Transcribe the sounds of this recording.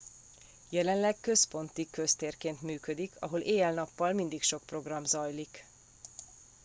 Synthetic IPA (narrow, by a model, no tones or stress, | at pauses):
jɛlɛnlɛkkø̞spo̞nt̪ikøst̪eːrkeːnt̪myːkød̪ikʰɒ̰ɦo̞leːɛlnɒpːɒlmind̪ikʃo̞k̚pro̞ɡrɒmzɒjlik